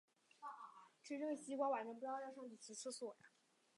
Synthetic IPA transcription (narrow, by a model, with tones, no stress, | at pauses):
ʈ͡ʂ̩ʰ˥˧ʈ͡ʂɤ˥˩ɡɕi˥kwɑ˥wa˨˩nt͡ɕʰɥpu˧jɑ˥˧ʊjɑ˥˧ʊʂɤ˥˧ŋt͡ɕi˥˩t͡ɕʰi˧˥t͡sʰɹ̩˥˧swɔ˥˩˨